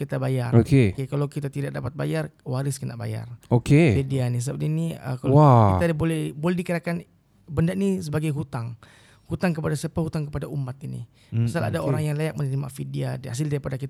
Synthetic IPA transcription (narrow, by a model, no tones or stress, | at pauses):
kit̪abajarokekekalawkit̪at̪idak̚dapat̪̚ba̰jarwaɾɪskəna̰ʔ̚ba̰ja̰rokefidianis̬əbap̚t̪iniə̰kawait̪abolɛhbolɛhdikəɾakan | bəndaʔnisəbaɡajɦut̪aŋ | hut̪aŋkəpadasəpahut̪aŋkəpadaumat̪inḭ | masala̰daoɾaŋjaŋlajak̚mənəɾima̰fidiada̰s̬ɪldaɾipadakit̪a